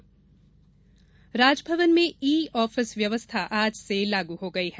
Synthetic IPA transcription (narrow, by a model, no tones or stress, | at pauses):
ɾaːd͡ʒbʱɐʋənmẽiːɔːfɪsʋjɐʋəst̪ʰaʔaːd͡ʒselaːɡuɦoɡɐiɦɛ